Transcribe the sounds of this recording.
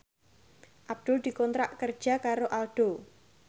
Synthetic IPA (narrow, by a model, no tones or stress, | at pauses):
ʔab̚d̪̥ʊld̪̥ikɔnt̪ɾaʔkər̥d͡ʒ̥a̤kaɾoʔalɖ̥o